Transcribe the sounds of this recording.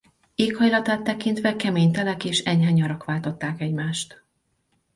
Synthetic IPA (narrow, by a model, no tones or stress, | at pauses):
eːkhɒjlɒt̪aːt̪ːɛkint̪ʋɛkɛmeːɲt̪ɛlɛkeːʃɛɲɦaːɲːɒɾɒkʋaːlt̪o̞t̪ːaːkɛɟmaːʃt̪